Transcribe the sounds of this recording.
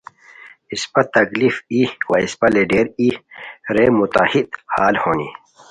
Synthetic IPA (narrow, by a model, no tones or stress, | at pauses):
ispɐt̪ɐklifiwɐispɐleɖeːɾiɾemut̪a̰hid̪haːlhoːnḭ